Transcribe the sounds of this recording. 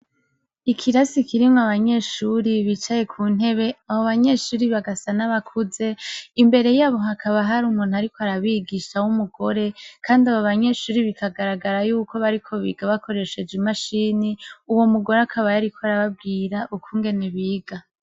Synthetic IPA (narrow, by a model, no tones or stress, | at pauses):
ikʰiɾasikiɾimŋoaβaɲe̞ːʃuɾiβit͡ʃaje̞kʰuːn̥he̞βe̞aβoβaɲe̞ʃuːɾiβaɡasanaβakʰuze̞imbe̞ɾe̞jaːβo̞ɦakʰaβaɦaɾumuːnuaɾiko̞aɾaβiːɡiʃawumuɡo̞ɾe̞kʰaːndiaβoβaɲe̞ːʃuːɾiβikʰaɡaɾaɡaɾajuːkʰo̞βaɾikʰo̞βḭːɡaβakʰo̞ɾe̞ʃe̞d͡ʒimaʃiːniuwo̞muɡo̞ɾeakʰaβajaɾikʰoaɾaβab̚ɡiːɾaʔukʰuːŋɡe̞neβiːɡ̥a